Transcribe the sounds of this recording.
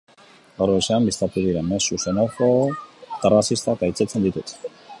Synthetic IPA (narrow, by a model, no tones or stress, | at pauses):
oɾoiʃambist̪at̪uðiɾenmesːusenakot̪erasist̪at̪ajt͡set͡sʰend̪it̪ut̪